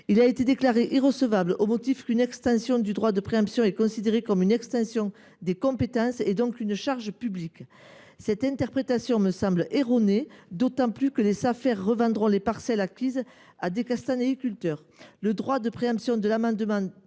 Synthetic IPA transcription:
ilaet̪ed̪eklaʁeʔiʁəsəvablʔomɔt̪ifkynɛkst̪ɑ̃sjɔ̃d̪yd̪ʁwad̪əpχeɑ̃psjɔ̃ɛkɔ̃sid̪eʁekɔmynɛkst̪ɑ̃sjɔ̃ | d̪ekɔ̃pet̪ɑ̃sed̪ɔ̃kynəʃaʁʒəpyblik | sɛt̪ɛ̃t̪ɛʁpχet̪asjɔ̃məsɑ̃blʔeʁɔned̪ot̪ɑ̃plykəlesafɛʁːəvɑ̃d̪ʁɔ̃lepaʁsɛlakʲiz | ad̪ekast̪ãneikʲylt̪œʁ | ləd̪ʁwad̪əpχeɑ̃psjɔ̃d̪əlamɑ̃d̪əmɑ̃

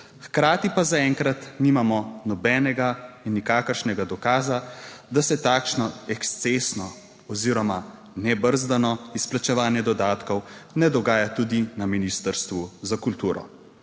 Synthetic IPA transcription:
xkɾaːt̪ipazaɛŋkɾat̪niːmamɔnɔbɛnɛɡainːikaːkəɾʃnɛɡad̪ɔkaːzad̪asɛt̪aːkʃnɔɛkst̪sesnɔ | ɔziːɾɔma | nɛbəɾzd̪anɔisplat͡ʃɛʋaːnjɛd̪ɔd̪aːt̪kɔwnɛd̪ɔɡaːjat̪uːd̪inaminiːst̪əɾst̪ʋuzakult̪uːɾɔ̰

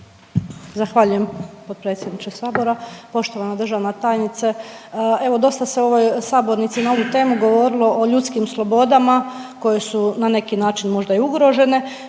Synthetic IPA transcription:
zaxʋaʎujempod̪̚pɾe̞ːt̪sjed̪nit͡ʃesaːbo̞ɾapo̞ʃt̪o̞ʋanad̪ɾ̩r̩ʒaʋnat̪aːjnit̪see̞ʋo̞d̪o̞st̪aseo̞ʋojsaːbo̞ɾnit̪sinao̞ʋut̪e̞ːmuɡo̞ʋo̞ɾilˠo̞ʔoʎut̪skimslˠo̞bo̞d̪amako̞je̞sunane̞kinaːt͡ʃinmo̞ʒd̪aiuɡɾo̞ʒe̞ne̞

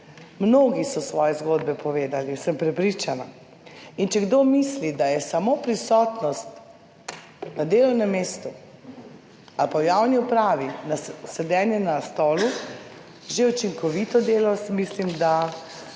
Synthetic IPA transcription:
mnoːɡisɔsʋɔːjɛzɡoːd̪̚bɛpɔʋeːd̪alisəmpɾɛpɾit͡ʃana | int͡ʃɛɡd̪omislid̪ajɛsamopɾisɔːt̪nɔst̪ | nad̪eːlɔwnɛmːeːst̪u | alpawjawniupɾaːʋinasɛd̪ɛːnjɛnast̪ɔːlu | ʒeut͡ʃiŋkɔʋit̪ɔd̪eːlɔsmislimd̪a

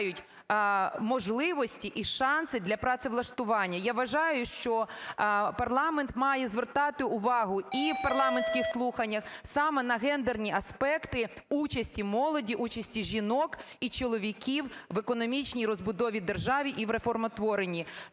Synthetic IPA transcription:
jʊtʲ | mɔʒlˠɪʋɔsʲtʲiʔiʃɑnsɪd̪lʲɐpɾɑt̪sɪʋlˠɐʃt̪ʊʋɑnʲːɐjaʋɐʒɑjʊʃt͡ʃɔ | pɐrlˠɑment̪mɑjɛzʋert̪ɑt̪ɪʊʋɑɦʊipɐrlˠɑmensʲkɪxslˠuxɐnʲːɐxsɑmɛnɐɦɛnd̪ernʲiʔɐspɛkt̪ɪut͡ʃɐsʲtʲimɔlˠɔdʲiʔut͡ʃɐsʲtʲiʒʲinɔk | it͡ʃɔlˠɔʋʲikʲiwʋekɔnɔmʲit͡ʃnʲijɾɔzbʊd̪ɔʋʲid̪erʒɑʋʲiʔiʋɾefɔrmɔt̪ʋɔɾenʲi

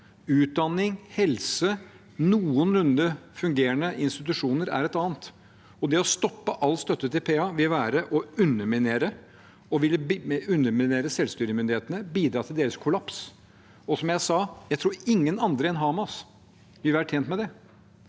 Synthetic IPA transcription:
ʉːt̪̚d̪ɑnːɪŋhɛlsə | nuːənɾʉnd̪əfʉŋɡeːəɳəʔɪnst̪ɪt̪ʉʂuːnəɾæ̰ɾɛt̪ɑːnt̪ | ɔd̪ɛɔst̪ɔpːəʔɑlːst̪œt̪ːət̪ʰɪlpʰeːɑʋɪlʋæːɾəʔɔʉnːəmɪneːɾə | ɔʋɪlːəʉnːəmɪneːɾəsɛlst̪yːɾəmʏnd̪ɪheːt̪ənəbiːd̪ɾɑːt̪ʰɪld̪eːɾəskʰʊlɑps | ɔsɔmjæɪsɑːjæɪt̪ʰɾuːɾɪŋːənɑnd̪ɾəɛnɦɑːmɑs | ʋɪlʋæːɾʈʰeːnt̪mɛd̪ɛ

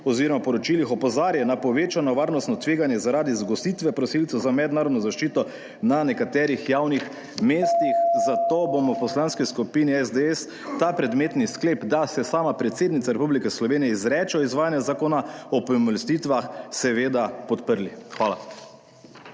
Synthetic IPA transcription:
ɔziːɾɔmapɔɾɔt͡ʃilixɔpɔzaːɾjɛnapɔʋeːt͡ʃanɔʋaːɾnɔst̪nɔt̪ʋeːɡanjɛzaɾaːd̪izɡɔst̪iːt̪ʋɛpɾɔsiltsɛwzamɛd̪naːɾɔd̪nɔzaʃt͡ʃiːt̪ɔ | nanɛkat̪ɛːɾixjawnix | meːst̪ixzat̪obomɔpɔslanskiskupiniɛzd̪eɛs | t̪apɾɛd̪meːt̪niskleːpd̪asɛsaːmapɾɛt̪seːd̪nit̪saɾɛpublikɛslɔʋeːnijɛizɾɛːt͡ʃɔizʋaːjanjazakoːnaɔpɔmɔlst̪iːt̪ʋaxsɛʋeːd̪apɔt̪pəɾlixʋaːla̰

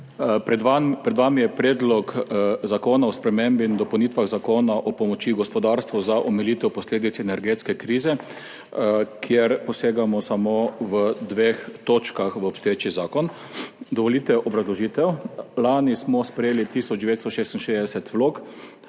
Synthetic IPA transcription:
pɛapɾɛd̪ʋamijɛpɾeːd̪lɔkzakoːnaɔspɾɛmẽmbind̪ɔpɐwniːt̪ʋaɣzakoːnaʔɔpɔmɔt͡ʃiɡɔspɔd̪aɾst̪ʋɔzaʔɔmɛliːt̪ɛwpɔsleːd̪it̪sɛnɛɾɡeːt̪skɛkɾiːzɛ | kʰjeɾpɔseːɡamɔsamoʋəd̪ʋext̪oːt͡ʃkaxʋəɔpst̪ɔet͡ʃizaːkɔn | d̪ɔʋɔliːt̪ɛʔɔbɾazlɔʒiːt̪ɛwlaːnismɔspɾɛjeːlit̪iːsɔd͡ʒd̪ɛʋet̪st̪ɔʃeːst̪inʃeːzd̪ɛsɛt̪ʋloːk

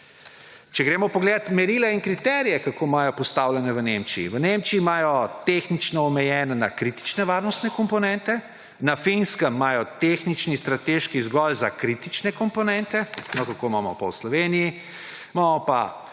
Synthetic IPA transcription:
t͡ʃɛɡɾeːmɔpɔɡleːd̪at̪mɛɾiːlɛinkɾit̪ɛɾijɛkakoːmaːjɔpɔst̪awlɛnɛʋənemt͡ʃiḭʋənemt͡ʃiːmaːjɔt̪exnit͡ʃnɔːmɛjɛːnɛnakɾit̪i̥t͡ʃnɛʋaːɾnɔst̪nɛkɔmpɔnɛnt̪ɛ | nafinskəmːaːjɔt̪exnit͡ʃnist̪ɾat̪eʃkizɡɔlzakɾit̪it͡ʃnɛkɔmpɔnɛnt̪ɛnɔkakomaːmɔ̰pɔ̰slɔʋeniji | mamɔpa̰

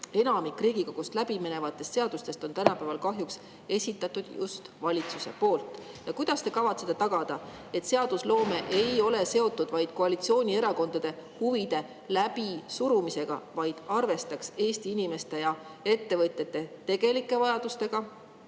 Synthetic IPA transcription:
e̞nɑmikriːɡ̥iko̞ɡ̥ust̪læb̥imenevɑt̪ːˑe̞st̪seɑd̪̥ust̪e̞st̪o̞nt̪ænɑpæːvɑlkɑɦjuks | e̞sʲit̪ːˑɑt̪ːˑud̪̥jṵst̪vɑlʲit̪suse̞po̞ːlt̪ˑ | jɑkujd̪̥ɑst̪e̞kɑvɑt̪set̪ːet̪ɑɡ̥ɑd̪̥ɑ | e̞t̪seɑd̪̥uslo̞ːme̞ʔe̞jo̞le̞se̞o̞t̪ˑːud̪̥vɑjd̪̥ko̞ɑlit̪sio̞ːnʲie̞ɾɑko̞nd̪̥ɑd̪̥e̞huvid̪̥e̞ | læb̥isuɾumise̞ɡ̥ɑ̰vɑjd̪̥ɑrve̞st̪ɑkse̞ːst̪iinime̞st̪e̞jɑ | e̞t̪ːe̞vɤt̪ʲjet̪ːe̞t̪e̞ɡ̥e̞likˑːe̞vɑjɑd̪̥ust̪e̞ɡ̥ɑ

